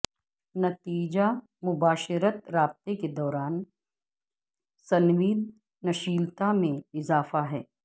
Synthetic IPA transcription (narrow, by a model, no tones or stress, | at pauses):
nɐt̪iːd͡ʒa | mʊbaːʃɪɾət̪ɾaːb̚t̪eked̪ɔːɾaːn | sɐnʋiːd̪̚ | nɐʃiːlt̪amẽɪzaːfaɦɛː